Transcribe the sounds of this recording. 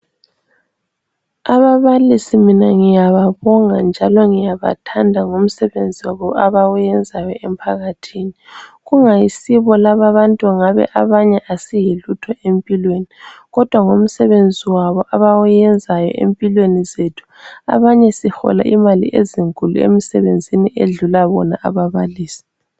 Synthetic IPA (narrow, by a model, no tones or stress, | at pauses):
aβaβalisiminaŋijaβaβɔŋand͡ʒʱalɔŋijaβa̰tʰandʱaŋom̩sɛβend͡zʱiwaβɔaβawujɛnd͡zʱajɔɛmpʰaɣatʰiniɣuŋajisiβɔlaβaβantʼuŋaβɛ̰ʔaβaɲɛʔasijilutʰɔʔempʼilweniɣɔd̥ʱwaŋom̩sɛβend͡zʱiwaβɔʔaβawujɛnd͡zʱajɔ̰ʔḛmpʼilwenizetʰu̥a̰βaɲɛsixɔ̰la̰ʔimalḭʔeziŋkʼulṵḛmisɛβend͡zʱiniʔeɮulaβɔ̰na̰ʔaβaβaliːsi̥